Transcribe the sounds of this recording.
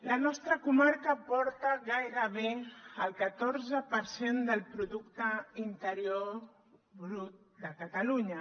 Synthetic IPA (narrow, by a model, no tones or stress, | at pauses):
lənɔst̪ɾəkumaɾkəpɔɾt̪aɣajɾəβ̞eəlˠkət̪oɾzəpəɾsend̪əlˠpɾuðukt̪əint̪əɾjo | βɾut̪̚d̪əkət̪əluɲə